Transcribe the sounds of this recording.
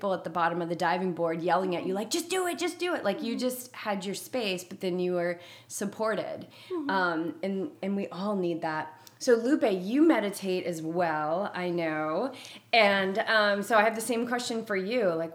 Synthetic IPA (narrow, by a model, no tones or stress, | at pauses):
pl̩ˠət̪̚ðəbɑɾɨ̃mʌvðɨdaɪvɪ̃ŋbɔɹdjɛlˠɪ̃ŋɨt͡ʃɨlaɪk̚d̥ʒ̥ʌsd̥ɨɪt̚d̥ʒ̥ʌsd̥ɨɪʔlʔaɪkjɨd͡ʒʌst̚hɨd͡ʒə˞speɪsb̥ʌt̪̚ðɨ̃njɨə˞ | sɨpʰɔɹɾɪ̰d | ʌ̃mɨ̃nɨ̃nwiʔɔlˠnid̪̚ðæt̚soʊlʉpeɪjɨmɛɾɨtʰeɪɾʔɨzwɛlˠa̰ɪnoʊɨ̃nʌ̃msoʊaɪɨvðɨsẽɪ̃mkʰw̥ɛst͡ʃɨ̃nfə˞jʉlaɪk